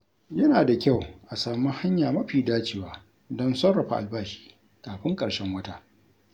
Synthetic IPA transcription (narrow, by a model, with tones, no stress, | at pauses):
jɐ˦naː˨da˨kʲa˦˨wʔa˨saː˨mu˦ha˦ɲjaː˨mɐ˦ɸiː˨daː˦t͡ʃeː˨waː˨ | dɔ˦nsɐ˦ɽɐ˨ɸa̰˨ʔa˨lbaː˦ʃi̥ː˦ | kaː˨ɸɪ˦ŋkʼɐ˨ɽʃɛ˦ŋwɐ˦taː˦ʔ